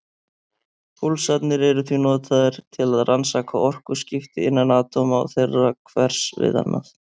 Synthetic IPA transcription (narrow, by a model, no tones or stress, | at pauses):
fulsat̪nɪɾɛɾʏθvinɔːt̪ʰaðɪɾ̥t̪ʰɪlaðrʔansakʰaɔr̥kʏscɪft̪ɪɪnːanaːt̪ʰɔːmaa̰wθejrːakʰvɛr̥svɪ̰ða̰nːʔa̰θ